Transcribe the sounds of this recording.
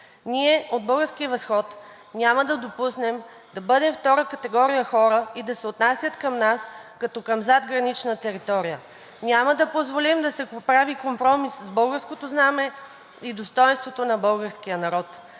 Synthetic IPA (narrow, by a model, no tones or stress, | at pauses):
niɛod̪̚bɤlˠɡəɾskijəvɐsxɔt̪ | nʲaməd̪ɐd̪opusnɛm | d̪̥ɐbɤd̪ɛmft̪ɔɾəkɐt̪ɛɡɔɾijəxɔɾəid̪ɐsɛot̪nasʲjət̪kɐmnaskɐt̪ɔkɐmzad̪ɡɾɐnit͡ʃnət̪ɛɾit̪ɔɾijə | nʲaməd̪ɐpozvolimd̪ɐsɛpɾavikompɾɔmisːbɤlˠɡəɾskot̪oznamɛ | id̪ost̪ɔjɛnst̪vot̪onɐbɤlˠɡəɾsk̟ijənɐɾɔt̪